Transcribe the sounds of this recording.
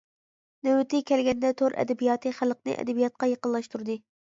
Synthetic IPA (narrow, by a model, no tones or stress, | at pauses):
næwɪt̪ʰɪkʲɛlɡʲɛnd̪ɛt̪ʰoɾʔɛ̰d̪ɛbijɑːt̪ʰɨχælˠq̚nɨ̰ʔɛ̰d̪ɛbijɑt̪̚qɑjqəlˠːɑʃt̪ʰuɾd̪ɨ